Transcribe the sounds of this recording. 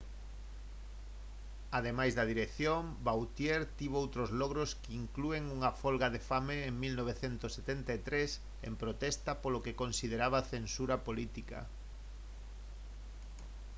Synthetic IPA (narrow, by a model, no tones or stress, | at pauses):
aðemajzðɐðiɾeθjombawt̪jeɾt̪iβowt̪ɾozlɔɣ̞ɾoskɪiŋklueŋuŋafolɣaðefameːŋmilnoβ̞eθent̪oset̪ent̪aet̪ɾes | ḛmpɾot̪ɛst̪apolokekonsið̞eɾaβaθensuɾapolit̪ika̰